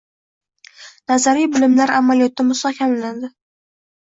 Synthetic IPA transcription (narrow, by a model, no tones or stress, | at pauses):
nazaɾijbɪlɪmlaɾamalijɒt̪ʰːɪmʊst̪ɒkʲʰamaland̪ɪ